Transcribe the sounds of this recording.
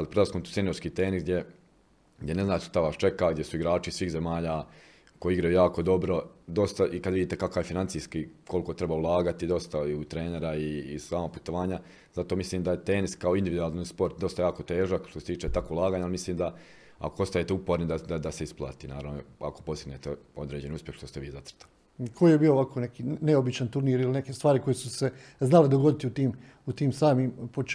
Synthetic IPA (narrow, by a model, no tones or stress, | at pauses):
alipɾolaskmomt̪u̥t̪enijo̞ɾskiːt̪eːnizɡd̪ʲje | ɡd̪ʲje̞ne̞znaːt̪ʃt̪aʋaːst͡ʃe̞kaɡd̪ʲjesuiɡɾaːt͡ʃisʋiːɣze̞maːʎaː | ko̞jiiɡɾajujaːko̞d̪o̞bɾo̞d̪o̞st̪aʔikad̪ʋid̪iːt̪ekakaʋjefinant̪iːskikʰoliko̞t̪ɾe̞baulˠaːɡat̪id̪o̞st̪aiut̪ɾe̞ːne̞ɾaiːsaːmapu̥t̪oʋaːɲa | zat̪oːmisliːmd̪ajet̪e̞ːniskao̞ind̪iʋid̪uaːlˠnispo̞ɾt̪̚d̪o̞st̪ajaːko̞t̪e̞ːʒakʃt̪oset̪iːt͡ʃet̪akoulˠaːɡaːɲalimisliːmd̪a | a̰koo̞st̪ajet̪eupo̞ɾnid̪ad̪ad̪aseisplˠa̰ːt̪iːnaːɾaʋnoa̰ko̞po̞siɡneːt̪eo̞d̪ɾeːd͡ʑeniuspjexʃt̪o̞st̪e̞ʋiːzat̪r̥t̪ali | kʰojijebiːoʋakʰo̞ne̞kiːneobit͡ʃant̪uɾniːɾiline̞kest̪ʋaːɾiko̞jesuse̞znaled̪oɡo̞d̪it̪iut̪iːm | ut̪iːmsaːmiːmpot͡ʃ